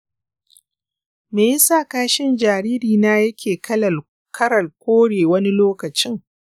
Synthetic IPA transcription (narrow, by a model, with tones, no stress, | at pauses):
meː˨ji˦saː˦˨kaː˦ʃɪ˦nd͡ʒaː˨ɾiː˦ɾiː˨naː˦jɐ˦kʲeː˨kɐ˦ɐ˨ | kʰɐ˦ɽɐ˨lkʷoː˦ɽeː˨wɐ˦ni˦loː˦kɐ˨t͡ʃɪ˦ŋ